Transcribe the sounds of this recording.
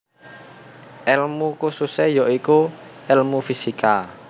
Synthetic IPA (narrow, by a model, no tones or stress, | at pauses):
ʔɛlmukususɛjɔʔikuɛlmufisika